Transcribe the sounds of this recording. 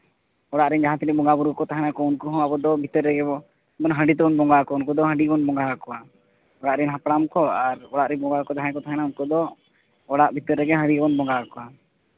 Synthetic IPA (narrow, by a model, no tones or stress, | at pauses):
ɔɽaʔɾɛnd͡ʒaɦãt̪ɛɾɛbɔŋɡabuɾɡɔkɔt̪aɦɛnakɔunkɔɦɔ̃abɔd̪ɔbʱit̪əɾɛɡɛbɔ | bɔnɦə̃ɳɖit̪ɔbɔnbɔŋɡakɔunkɔd̪ɔɦə̃ɳɖibɔnbɔŋɡakɔa | ɔɽaʔɾɛnɦapɽamkɔaɾɔɽaʔɾɛbɔ̃ŋɡakɔd͡ʒ̪aɦãɛkɔt̪aɦɛnaunkɔd̪ɔ | ɔɽaʔbʱit̪əɾːɛɡɛɦə̃ɽibɔnbɔŋɡakɔa